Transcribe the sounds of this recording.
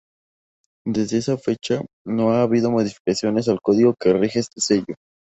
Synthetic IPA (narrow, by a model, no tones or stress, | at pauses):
d̪e̞zðe̞esafe̞t͡ʃa | no̞aːβið̞o̞mo̞ð̞ifi̥kasjo̞ne̞s̬alko̞ðiɣo̞ke̞rixeest̪e̞se̞ʝo̞